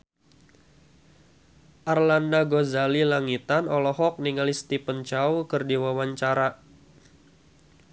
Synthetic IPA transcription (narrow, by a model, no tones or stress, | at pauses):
ʔarlandaɡozalilaŋit̪anɔlɔɦɔk̚niŋalist̪ipənt͡ʃaukərdiwawaɲt͡ʃaɾa